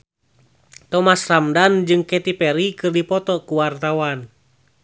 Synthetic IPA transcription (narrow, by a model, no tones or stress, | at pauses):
t̪ɔmasramdand͡ʒɨŋkɛt̪ipɛɾikɨrdipɔt̪ɔkuwart̪awan